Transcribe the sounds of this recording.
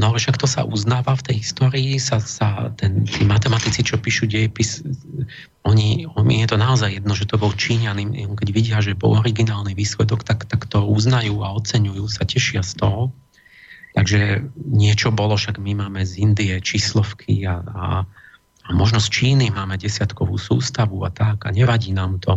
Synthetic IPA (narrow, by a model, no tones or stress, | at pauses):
nɔalɛʃakt̪ɔsa̰ʔuznaːʋaft̪ɛjɦist̪ɔːɾiːsasat̪ɛnt̪iːmat̪ɛmat̪it͡sit͡ʃɔpiːʃuːɟɛjɛpis | ɔɲiɔjɛt̪ɔnaɔzajːɛd̪nɔʒɛt̪ɔbɔlt͡ʃiːɲanimɛ̰ɔkɛɟʋiɟɪaʒɛbɔ̰lɔɾiɡinaːlniʋiːslɛd̪ɔkt̪akt̪akt̪ɔuznajuːaɔt͡sɛɲujuːsacɛʃɪast̪ɔɦɔ | t̪aɡʒɛɲɪɛt͡ʃɔbɔlɔʃaɡmimaːmɛzind̪iɛt͡ʃislɔfkʰḭaa̰ | amɔʒnɔst͡ʃiːnimaːmɛɟɛsɪat̪kɔʋṵːsṵːst̪aʋua̰t̪aɡa̰ɲɛʋaɟiːnaːmt̪ʰɔ